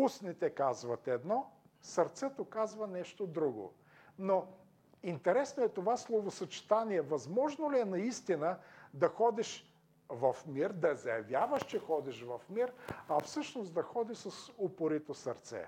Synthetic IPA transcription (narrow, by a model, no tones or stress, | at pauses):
usnit̪ɛkazvɐt̪ɛd̪nɔ | sɐɾt̪sɛt̪okazvɐnɛʃt̪od̪ɾuɡo̰ | no | int̪ɛɾɛsnoɛt̪ovaslˠovosɐt͡ʃi̥t̪aniɛvɐzmɔʒnoliɛnɐist̪inəd̪ɐxɔd̪iʃ | vɐfmiɾd̪ɐzɐjɐvʲjavəʃt͡ʃɛxɔd̪iʃvɐfmiɾɐfsɤʃnosd̪ɐxɔd̪isəsopoɾit̪osɐɾt̪sɛ̰